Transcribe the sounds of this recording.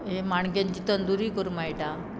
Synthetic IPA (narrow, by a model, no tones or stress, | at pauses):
ɦemaɳ̃kjãɲt͡ɕiːt̪ənd̪uɾiːkəɾumajʈa